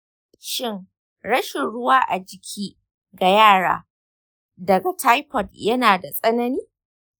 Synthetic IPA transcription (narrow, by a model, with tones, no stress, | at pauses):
ʃɪ˦ŋ | ɽɐ˦ʃɪ˨nɽʊ˦waː˦ʔa˨d͡ʒɪ˨kʲʰiː˦ | ɡa˨jaː˦˨ɽa̰ː˦ | dɐ˨ɡa˨ta˦jpɔ˨djɐ˦naː˨da˨sʼɐ˦nɐ˦niː˦